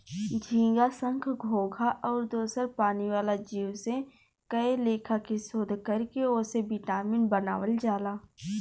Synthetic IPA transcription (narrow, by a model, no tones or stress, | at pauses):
d͡ʒʱĩːɡasə̃ŋkʰɡʱoːɡʱaʔɔːɾd̪oːsəɾpaːniʋaːlad͡ʒiːwse | kəeleːkʰakisoːd̪ʱkəɾkeoːsebɪʈaːmiːnbənaːʋəld͡ʒaːlaː